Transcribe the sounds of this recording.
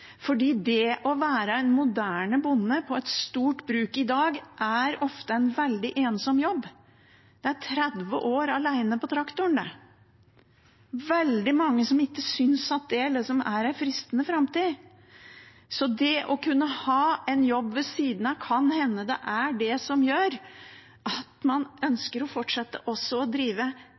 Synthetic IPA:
fɔɖiːd̪ɛʔɔʋæːɾəɛnmʊd̪æːɳəbʊnːəpʰɔɛt̪st̪uːʈbɾʉːkɪd̪ɑːɡʔæɾɔft̪əɛnʋɛld̪ɪʔeːnsɔmjɔbː | d̪̥ɛæʈʰɾɛd̪ʋə̰ʔoːɾɑlæɪnəpɔt̪ʰɾɑkt̪ʊɳd̪æ̰ | ʋɛld̪ɪmɑŋːəsɔmɪkːəsʏnsɑt̪̚d̪ɛlɛsɔmæɾæɪfɾɪst̪ənəfɾɑmt̪iː | sɔd̪ɛʔɔkʉnːəhɑːɛɪnjɔbːʋɛsiːd̪n̩ɑkʰɑnhɛnːəd̪ɛ̰ʔæɖɛsɔmjøːɾ | ʔɑt̪mɑnœnskəɾɔfɔʈʂɛt̪ːə̰ʔɔsːɔɔd̪ɾiːʋə

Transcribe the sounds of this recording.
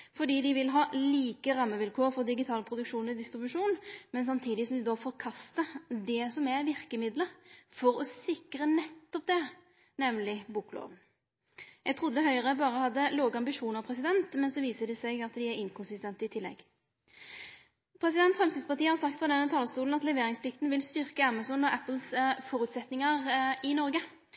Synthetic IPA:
fɔɖ̪iːd̪ɪʋɪlɦɑːliːkəʁɑmːəʋɪlkʰoːʁfɔd̪ɪɡɪt̪ʰɑːlpʰɾʊd̪ʉkʂuːnɪd̪ɪst̪ɾɪbʉʂuːnmɛns̬ɑmt̪ʰiːd̪ɪsɔmd̪ɪd̪ɔfɔɾkʰɑst̪əd̪ɛsɔmæʋɪʁkəmɪd̪ləfɔɾɔsɪkɾənɛt̪ːɔp̚d̪ɛ | nɛmnlɪbuːklo̰ːʋən | jɛɡ̚t̪ʰʁʊd̪ːəɦœʏʁəbɑːɾəɔhɑd̪ːəloːɡəɑmbɪʂuːnɑʁpʰɾɛs̬ɪd̪ɛnt̪mɛnsɔʋiːsəd̪ɛsɛɪɡɑt̪d̪ɪæɾɪŋkʰʊnsɪst̪ɛnt̪əɪt̪ʰɪlːɛ̰ɡ | pʰʁɾɛsɪd̪ɛnt̪fʁɛmst̪id̪spɑt̪iːəhɑɾsɑkt̪fʁɑd̪ɛnːət̪ʰɑlst̪uːln̩ɑt̪lɛʋeːɾɪŋspʰlɪkt̪nʋɪlst̪ʏɾkəæmɑsɔnɔʔæpl̩sfɔɾʉt̪sɛt̪nɪŋɑʁɪnɔɾɡə

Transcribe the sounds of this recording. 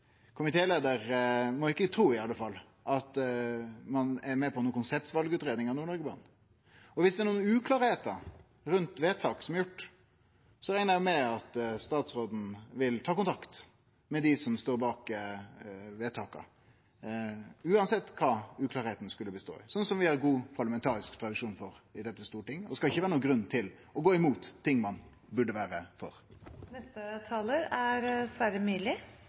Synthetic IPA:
kʰʊmɪt̪ʰeːleːd̪əɾmɔɪkːət̪ʰɾuːɪɑlːəfɑlː | ʔɑt̪ | mɑnɛɾmɛpʰɔnuːkʊnsɛpt̪ʋɑlɡəʉːt̪ɾeːd̪nɪŋɑnuːɾɳɔɾɡəbɑ̰ːn | ɔʋɪsd̪ɛɾɳuːənʉːkʰlɑːɾheːt̪ə | ɾʉnt̪ʋeːt̪ʰɑːksɔmɛɾjʊʈː | sɔɾæɪnəmɛɑt̪st̪ɑːt̪sɾoːd̪n̩ʋɪlt̪ʰɑːkʰʊnt̪ʰɑkt̪ | mɛd̪ɪsɔmst̪oːɾbɑːkə | ʋeːt̪ʰɑːkɑ̰ | ʉːɑnsɛt̪ːkʰɑːʉːkʰlɑːɾheːt̪n̩skʉlːəbəst̪o̰ːɪ̰sɔnːsɔmʋɪæɾɡuːpʰɑɾləmɛnt̪ʰɑːɾɪskt̪ʰɾɑd̪ɪʂuːnfɔɾɪd̪ɛt̪ːəst̪uːɾʈɪŋːɔd̪ɛskɑlɪçːəʋæːɾənuːɡɾʉnːt̪ʰɪl | ɔɡoːɪmuːt̪ʰːɪŋːmɑn | bʉɖːəʋæːɾəfɔ̰ɾnɛst̪ət̪ʰɑːləɾæɾsʋæɾəmyːlɪ

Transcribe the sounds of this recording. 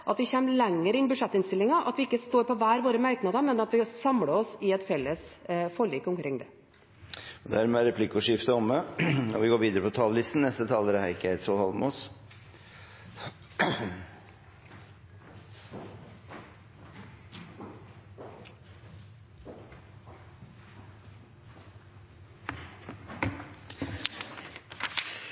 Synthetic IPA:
ʔɑt̪ʋɪçɛmlɛŋːəɾɪnːbʉʂɛt̪ːɪnst̪ɪlːɪŋɑʔɑ̰t̪ʋɪɪkːəst̪oːɾpɔʋæːɾʋoːɾəmæɾknɑd̪əɾmɛnɑt̪ʋɪsɑmɽəɔsɪɛt̪fɛlːəsfɔɭiːkːɔmkʰɾɪŋd̪ɛ | ɔd̪ɛæːɾmɛːɾɛpʰlɪkːʊʂɪft̪əɔmːəɔʋɪɡoːɾʋiːd̪əɾəpɔt̪ʰɑːllɪst̪n̩nɛst̪ət̪ʰɑːləɾæhæɪkːəæɪsɔːlhɑlmos

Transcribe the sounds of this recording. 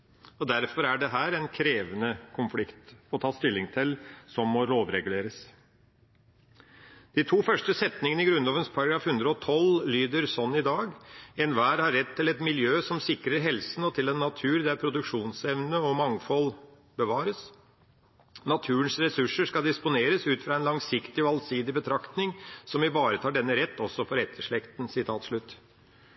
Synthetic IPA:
ɔd̪æɾfɔɾæɖɛɦæːɾɛnkʰɾeːʋənəkʰʊnflɪkt̪fɔt̪ʰɑːst̪ɪlːɪŋt̪ʰɪlsɔmːɔloːʋɾɛɡʉleːɾəs | d̪̥it̪ʰuːfœʂʈəsɛt̪nɪŋənɪɡɾʉnloːʋənspʰɑɾɑɡɾɑːfhʉnd̪ɾəɔt̪ʰɔllyːd̪əɾsɔnːɪd̪ɑːɡɛnʋæːɾhɑɾːɛt̪ʰːɪlɛt̪mɪljøːsɔmsɪkɾəɾɦɛlsən̩ɔt̪ʰɪlɛnːɑt̪ʰʉːɾd̪æɾpʰɾʊd̪ʉkʂuːnsɛʋnəɔmɑŋfɔl | bəʋɑːɾəs | nɑt̪ʰʉːənsɾɛsʉʂəskɑd̪ɪspʊneːɾəsʉːt̪fɾɑɛnlɑŋsɪkt̪ɪɔɑlsiːd̪ɪbət̪ʰɾɑkt̪nɪŋsɔmʋɪʋɑːɾət̪ʰɑːɖɛnːəɾɛt̪ːɔsːɔfɔɾɛt̪ʰːəʂɭɛkt̪n̩sɪt̪ʰɑːt̪ʂɭʉt̪ː

